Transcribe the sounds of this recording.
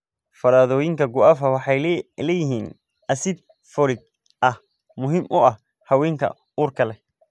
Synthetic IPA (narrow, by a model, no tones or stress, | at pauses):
fɐɾaːðɔːjɪŋkʰɐɡʊafɐwɑħɑjlɛːjɪɦiːn | ɐsɪd̪ | fɔlɪɡ̚ | ʔɐh | mʊɦimʔʊɐh | hɐwɛːŋkʰɐ̰ | uːrkʰɐlɛ